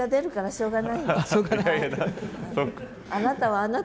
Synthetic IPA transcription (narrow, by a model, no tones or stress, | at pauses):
ad̪e̞ɾɯ̟kaɾaɕo̞ːɡanaioːɡanasokːa | anat̪aβaːna